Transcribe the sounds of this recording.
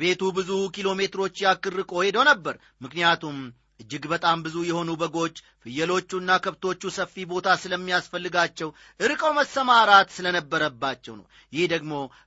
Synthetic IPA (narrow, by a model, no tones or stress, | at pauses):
be̞t̪ubɨzukʰilo̞me̞t̪ɨɾo̞t͡ʃːjakɨrːɨkʼo̞he̞d̪əwnəbːəɾ | mɨknijat̪ʰum | ʔɨd͡ʒːɨɡbət̪ʼambɨzujɛho̞nubəɡo̞t͡ʃː | fɨjːəlo̞t͡ʃːuɨnːakʰəβt̪ʰo̞t͡ʃːusəfːibo̞t̪ʰasɨləmːijasfəlːɨɡat͡ʃːɛw | ʔɨɾɨkʼəwməsːəmaɾat̪sɨlənəbːəɾəbːat͡ʃːɛwnə̰w | jɪhd̪əɡmo̞